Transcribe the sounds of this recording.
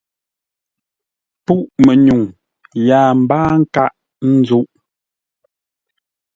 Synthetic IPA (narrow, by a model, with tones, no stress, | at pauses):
pu˦ʔmɛ˨ɲu˨ŋ | jaː˨m̩˨baː˦ŋ̩˦ka˦ʔ | n̩˦d͡zu˦ʔ